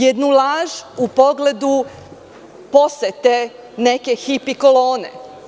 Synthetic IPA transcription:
jed̪nulaʒupo̞ɡle̞d̪u | po̞set̪e | nekexipikoloːnḛ

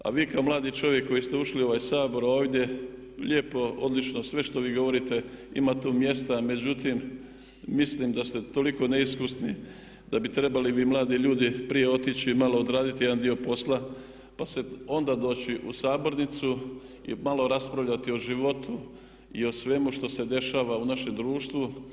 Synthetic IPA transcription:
a̰ʋiːkaomlaːd̪it͡ʃo̞ʋje̞kːo̞jist̪euʃlio̞ʋaːjsaːbo̞ɾo̞ːʋd̪ʲje̞ | ʎe̞ːpo̞o̞̰d̪lit͡ʃnosʋe̞ʃt̪o̞ʋiːɡo̞ʋo̞ɾit̪e̞ḭmat̪uːmje̞st̪ame̞d͡ʑut̪imː | islimd̪ast̪e̞t̪o̞liko̞ne̞iskusni | d̪̥abit̪ɾe̞baliʋiːmlˠaːd̪iʎuːd̪ipɾije̞o̞t̪it͡ɕimalo̞ːd̪ɾaːd̪it̪ijd̪and̪io̞po̞sla | pase̞o̞nd̪ad̪o̞ːt͡ɕiʔusaːbo̞ɾnit̪su | ḭmalo̞ɾaspɾaʋʎat̪io̞ʒiʋo̞t̪ʰu | io̞sʋe̞muʃt̪o̞se̞d̪e̞ʃaːʋaunaʃe̞md̪ɾuːʃt̪ʋu

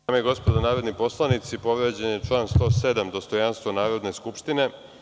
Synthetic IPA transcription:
ameeɡo̞spo̞d̪onaːɾod̪nipo̞slˠanit̪sipo̞ʋɾeːd͡ʑenjet͡ʃlˠaːnst̪o̞ːse̞d̪amd̪o̞st̪o̞janst̪vonaːɾo̞d̪ne̞skupʃt̪ine̞

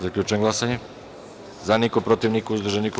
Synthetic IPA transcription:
zakʎʲut͡ʃɛŋɡlˠasaɲɛ | zanikɔpɾot̪iʋnikuzd̪ɾrʒɛniku

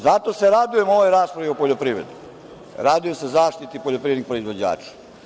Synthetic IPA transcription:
zat̪oseɾad̪ujemoʋojɾaːspɾaʋiupoʎopɾiːʋɾed̪u | ɾaːd̪ujemsezaːʂt̪it̪ipoʎopɾiːed̪ikpɾoizʋod͡ʑa̰ːt͡ʂḁ

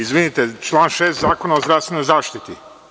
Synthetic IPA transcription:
izʋinit̪et͡ʃlˠaːnʃeːst̪zaːkonaozd̪ɾavst̪ʋe̞no̞jzaːʃt̪it̪i

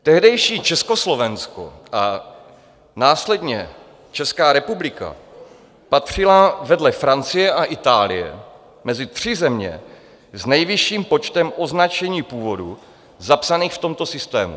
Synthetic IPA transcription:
t̪ɛɦdɛjʃiːt͡ʃɛsko̞slo̞vɛnsko̰ʔa | naːslɛdɲɛ | t͡ʃɛskaːɾɛpublɪka̰ | pat̪r̝̥ɪlavɛdlɛfɾant͡sɪjɛʔaʔɪt̪aːlɪ̰jɛ̰ | mɛzɪt̪r̝̥ɪzɛmɲɛ̰ | znɛjvɪʃiːmpo̞t͡ʃt̪ɛmʔo̞znat͡ʃɛɲiːpuːvo̞dṵ | zapsaniːxft̪omt̪o̞sɪst̪ɛ̰ːmṵ

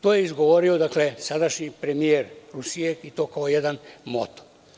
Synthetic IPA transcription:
t̪oːjeizɡo̞ʋo̞ɾio̞d̪akle̞sad̪aʃɲipɾe̞mijeːɾɾusijeit̪o̞ːkaojed̪anmo̰t̪o̥

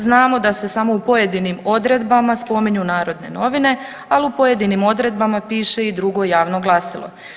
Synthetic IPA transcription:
znaːmo̞d̪ase̞samo̞upo̞je̞d̪inimo̞d̪ɾe̞d̪bamaspo̞miɲunaːɾo̞d̪ne̞̰no̞ʋine̞ | aliupo̞je̞d̪inimo̞d̪ɾe̞d̪bamapiːʃe̞id̪ɾuɡo̞jaːʋno̞ɡlˠasilˠo̞̰

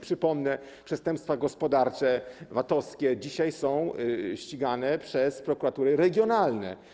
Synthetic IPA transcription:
pʂɘpɔmnɛ | pʂɛst̪ɛmpst̪faɡɔspɔd̪aɾt͡ʂɛvat̪ɔskʲɛd͡ʑiɕajsɔ̃w̃ɕt͡ɕiɡanɛpʂɛspɾɔkuɾat̪uɾɘɾɛɡʲjɔnalnɛ̰

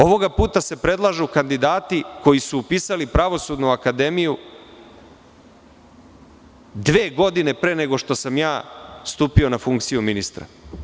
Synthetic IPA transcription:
o̞ʋo̞ɡapuːt̪ase̞pɾed̪lˠaʒuukand̪id̪aːt̪iko̞jisuːpiːsalipɾaʋo̞suːd̪nuakad̪e̞miju | d̪ʋeːɡo̞d̪ine̞pɾe̞ːne̞ɡo̞ʃt̪o̞samjaːst̪uːpio̞nafuŋkt̪sijuminist̪ɾa̰

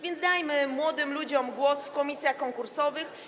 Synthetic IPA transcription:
vʲjɛnt̪d̪ajmɘmwɔd̪ɘmlud͡ʑɔmɡwɔsfkɔmʲisʲjaxkɔŋkuɾsɔvɘx

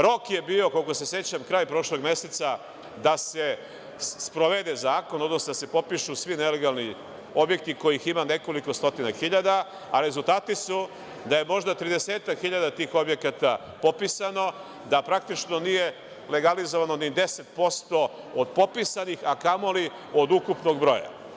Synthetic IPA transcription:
ɾo̞kje̞biːo̞ko̞lkose̞se̞t͡ɕamkɾaːjpɾo̞ʃlo̞ɡmje̞set̪sa | d̪ase | spɾoʋed̪ezaːko̞nod̪nosnod̪ase̞po̞piʃusʋine̞le̞ɡalˠni | objek̚t̪iko̞jiximane̞ko̞liko̞st̪o̞t̪inaxiʎad̪a | aɾe̞zulˠt̪aːt̪isu | d̪aje̞mo̞ʒd̪at̪ɾid̪eseːt̪akxiʎad̪at̪iːxo̞bje̞kat̪a | po̞pisano̞ | d̪apɾak̚t̪it͡ʃno̞nije̞ | le̞ɡalizoʋano̞nid̪e̞set̪̚po̞st̪o̞ | od̪po̞pisanixakamo̞li | od̪ukupno̞ɡbɾo̞̰ja̰

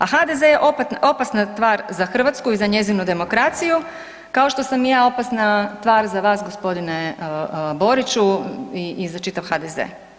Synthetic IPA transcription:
axad̪e̞zejeʔo̞paʔo̞pasnat̪ʋaːɾzaxr̩ʋat̪skuizaɲe̞zinud̪e̞mo̞kɾat̪siju | kao̞ʃt̪o̞samjaːo̞pasnat̪ʋaːɾzaʋaːsɡo̞spo̞d̪ine | bo̞ɾit͡ɕuiizat͡ʃit̪aʋxad̪ezḛː

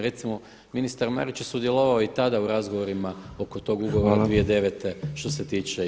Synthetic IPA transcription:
ɾe̞t̪simo̞ | minist̪aɾma̰ɾit͡ɕjesud̪je̞lo̞ʋaoit̪ad̪auɾazɡo̞ʋo̞ɾimao̞ko̞t̪o̞ːɡuɡoʋoɾad̪ʋied̪e̞ʋet̪e̞ʃt̪o̞se̞t̪iːt͡ʃe

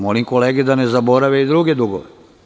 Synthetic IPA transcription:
molimko̞leːɡed̪anezabo̞ɾaʋeid̪ɾuɡed̪uɡo̰ʋe

